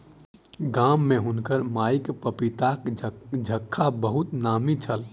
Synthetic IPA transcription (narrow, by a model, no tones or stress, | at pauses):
ɡamːeɦunkəɾmajkpəpit̪akd͡ʒʱəkʰːabəɦut̪namit͡ʃʰəl